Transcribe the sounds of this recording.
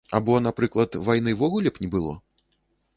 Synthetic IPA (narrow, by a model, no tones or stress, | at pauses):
abɔnapɾɨklˠɐt̪vajnɨvɔɣulʲɛpnʲibɨlˠɔ̰